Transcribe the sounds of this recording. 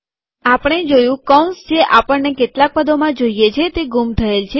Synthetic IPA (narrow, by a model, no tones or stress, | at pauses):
apəɽ̃ed͡ʒojũkɔ̃nsd͡ʒʰeʔapəɳnekeʈlak̚pəd̪omãd͡ʒoijet͡ʃʰet̪eɡumt̪ʰəelt͡ʃʰe